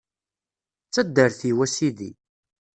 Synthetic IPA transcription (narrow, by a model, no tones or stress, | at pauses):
t͡sːæd̪ːəɾθiwæsiðḭ